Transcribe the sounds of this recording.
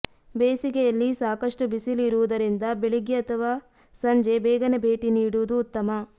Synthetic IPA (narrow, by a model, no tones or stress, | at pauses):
beːsiɡejɐlːisaːkɐʂʈubisilːɾuʋud̪ɐɾind̪ɐbeɭiɡjɐɐt̪ʰɐʋaː | sɐɲd͡ʒe̞beːɡɐnebʱe̞ːʈiniːɽuʋud̪uːt̪ːɐmɐ